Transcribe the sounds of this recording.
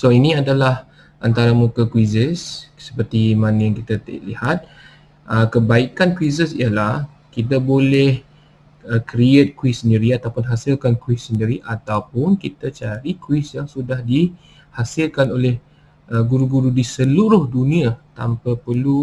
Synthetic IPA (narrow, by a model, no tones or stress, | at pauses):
soinĩadalah | ʔant̪aɾamukakwizəssə̥pərt̪imanajaŋkit̪at̪ə̰ʔlḭhat̪̚ | ʔəkəbaikankwizəsḭjəlah | kit̪abolɛh | əkɾiet̪̚kwisːəndiɾiat̪awpʊnɦasilkankwɪssəndiɾiʔat̪awpʊnkit̪at͡ʃaɾikwisjaŋsudahdi | hasɪlkanolɛh | ʔəɡuɾuɡuɾudisəluɾʊhdunĩat̪a̰mpapəlu